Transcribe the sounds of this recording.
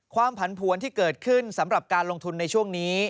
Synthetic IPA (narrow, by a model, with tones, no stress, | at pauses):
kʰwaː˧mpʰa˩˦npʰu˨˩˦ənt̪ʰiː˥˩kɤː˨˩t̪̚kʰɯ˥˩nsa˩˦mɾa˨˩p̚kaː˧nlo˧ŋt̪ʰu˧nːa˧jt͡ɕʰu˥˩əŋniː˦˥